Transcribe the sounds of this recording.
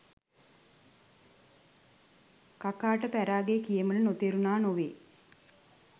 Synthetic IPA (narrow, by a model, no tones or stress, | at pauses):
kakaːʈəpæɾaːɡekijəmənənot̪eɾunaːnoʋeː